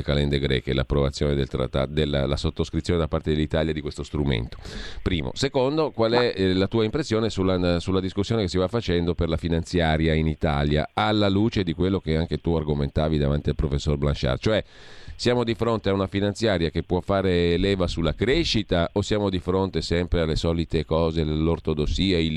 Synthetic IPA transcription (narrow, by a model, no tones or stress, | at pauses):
kalɛnd̪eɡɾɛ̰ːkḛla̰pːɾovat̪sjoːned̪elt̪ɾa̰t̪ːa̰d̪elːalːa̰sot̪ːoskɾit̪sjoned̪apːart̪ed̪elːit̪aːljad̪ikwest̪ost̪ɾumḛnt̪o̥pɾiːmo̰sekond̪okwalɛlat̪uːaimpɾesːjoːnesulːasulːad̪iskusːjoːnekesːivafːat͡ʃɛnd̪operlafinant̪sjaːɾjainit̪alja̰alːaluːt͡ʃed̪ikwelːok̟eaŋk̟et̪uarɡoment̪aːvid̪avant̪ialpɾofesːorbla̰nʃa̰rt͡ʃoɛ | sjaːmod̪ifɾont̪eaunafinant̪sjaːɾjakepːwɔfːaːɾeːlɛːvasulːakɾeʃːit̪aosːjaːmod̪ifɾont̪esɛmpɾealːesɔːlit̪ekɔːzelort̪od̪osːiːai